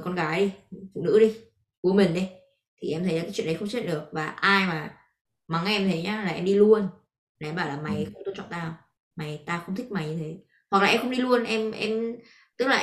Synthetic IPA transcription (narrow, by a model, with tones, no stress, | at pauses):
kɔ˧nɣaː˨˦jɗi˧fṵ˧˨nɨ̰˧˥ɗi˧ | ku˨˦əmï˨˩ŋ̟ɗi˨˦j | t̪ʰi˨˩ʔɛ˧mt̪ʰə˨˦jlːkːt͡ɕw̰əɗə˨˦xə˧ŋ͡mt͡ɕʰḭ˧˨nɗɨ˨˩ək̚vaː˨˩ʔaː˧jmaː˨˩ | ma˨˦ŋʔɛ˧mt̪ʰə˨˦jɲaː˨˦laː˨˩ʔɛ˧mɗi˧lu˧ən˨˦ | ɓaː˧˩wlaː˨˩ma˨˩jxə˧˥ŋ͡mt̪o˧nt͡ɕɔ̰˧˨nt̪aː˧˨ | ma˨˩˦jt̪aː˧xə˧wŋ͡mt̪ʰï˦˥k̚ma˨˩jɲɨ˧t̪ʰe˨˦ | hwa˨˩k̚lːaː˨ɛ˧mxə˧ŋ͡mɗi˧lu˧ənʔɛ˧mʔɛ˧m | t̪ɨ˦˥k̚laː˨˩